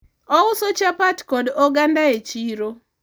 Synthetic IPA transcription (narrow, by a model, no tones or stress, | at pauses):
ɔʊsot͡ʃapatkɔdɔɡandaet͡ʃiɾo